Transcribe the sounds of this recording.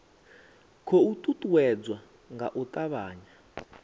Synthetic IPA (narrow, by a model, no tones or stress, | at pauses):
kʰɔutʼutʼuwɛd͡zwa | ŋɡa̰ʔutʼaβaːɲa